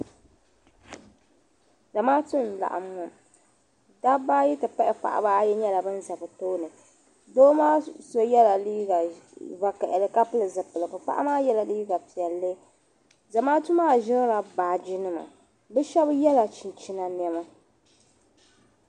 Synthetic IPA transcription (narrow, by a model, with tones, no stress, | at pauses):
za˨maː˦tu˦nla̰˨ʔa̰˨mːʊ˨ | da˦ba˦ji˦tɨ˨pa˦ʔɛ˦pa̰˨ʔa̰˨ba˦jɛ˦ɲɛ˦la˨bɨ˦n˦za˨bɨ˨toː˦nɨ˨ | doː˦maː˦so˦jɛ˦la˨liː˦ɡa˨va˨kɛ˨ʔɛ˨lɨ˨ka˦pɨ˦lɨ˨zɨ˨pɨ˨lɨ˨bɨ˨pa̰˦ʔa̰˦maː˦jɛ˦la˨liː˦ɡa˨pi˨ɛ˨lːɨ˦ | za˨maː˦tu˦maː˦˨ʒɪ˦ŋ˦ɾa˨baː˨d͡ʒi˦nɨ˦ma̰˨ | bɛ˦ʃɛ˦bjɛ˦la˨t͡ʃi˨nt͡ʃi˦na˨n˦ɛ˦ma˦